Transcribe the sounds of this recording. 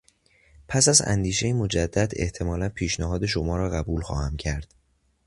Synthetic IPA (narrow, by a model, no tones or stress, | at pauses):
pʰæsæzæ̰nd̪iːʃe̞jemo̞d͡ʒæd̪ːæd̪e̞̰ht̪ʰe̞mɒːlænpʰiːʃnæɦɒːd̪e̞ʃomɒːɾɒːɣæbuːlxɒ̰ːhæmcʰæɾd̪̥